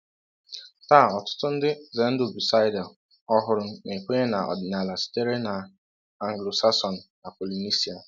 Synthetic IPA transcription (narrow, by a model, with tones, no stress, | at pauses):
taː˦˨ɔ˨tʊ̥˦tʊ˦n̩˦dɪ˦ze˨n̩˦do˦˨bu˨sa˦ɪ˦dɛ˨l | ɔ˦ɦʊ˨ɾʊ˨ne˨ke˦ɲe˦na˨ɔ̰˨dɪ˨na˨la˨si̥˦te˦ɾe˦na˨ | a˦ŋ̩ɡlo˨sa˦sɔ˨n̩˨na˨po˨li˨ni˦si˦a˨